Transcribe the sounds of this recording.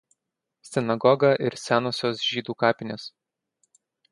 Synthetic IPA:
sʲɪnɐɡɔɡɐʔɪɾsʲæːnoːsʲoːsʒʲiːd̪uːkɑːpʲɪnʲeːs

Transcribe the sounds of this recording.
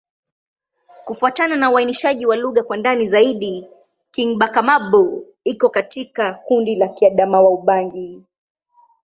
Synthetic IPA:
kufuatananauainiʃaʄiwaluɣakwandanizaiɗi | kiŋɓakamaɓɔ | ikɔkatikakundilakiaɗamawauɓaŋɡi

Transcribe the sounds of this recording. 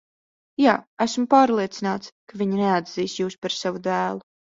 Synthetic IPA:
jaːæsmpaːɾlˠiɛt̪sinaːt̪skaviɲnead̪z̥iːsjuːspaɾsavud̪æːlˠu

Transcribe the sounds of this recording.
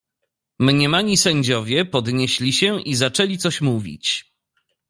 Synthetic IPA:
mɲɛmaɲisɛɲd͡ʑɔvʲjɛpɔd̪ɲɛɕlʲiɕɛʔizat͡ʂɛlʲit̪sɔɕmuvʲḭt͡ɕ

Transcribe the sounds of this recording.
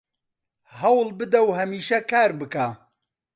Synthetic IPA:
hɐwlbɨd̪ɐwɦɐmiːʃɐkʰaːɾbɨka

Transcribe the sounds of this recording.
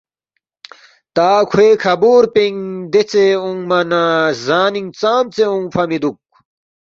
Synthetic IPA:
t̪aːkʰweːkʰɐbuːɾpiŋd̪et͡seũŋmɐnazaːniŋt͡saːmt͡seũŋfɐmid̪uk̚

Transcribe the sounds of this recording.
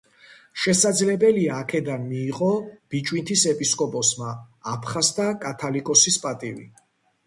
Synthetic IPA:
ʃɛsad̪zlɛbɛliaːkʰɛd̪anmiːqʼɔb̥it͡ʃʼwint̪ʰisɛpʼiskʼɔpʼɔsmaːpʰχast̪akʼat̪ʰalikʼɔsispʼat̪ʼivḭ

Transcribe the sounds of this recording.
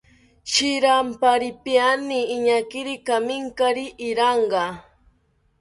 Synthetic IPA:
t͡ʃɪɾampaɾɪpjaniːɲakɪɾɪkamɪŋkaɾɪʔːɾɑɴɢɑ

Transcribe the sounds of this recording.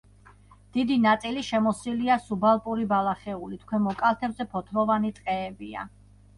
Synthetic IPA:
d̪̥id̪inat̪sʼiliʃɛmɔsiliasubalˠpʼuɾibalˠaχɛulit̪ʰkʰwɛmɔkʼalˠt̪ʰɛbzɛpʰɔt̪ʰɾɔvanit̪ʼqʼɛːbia̰

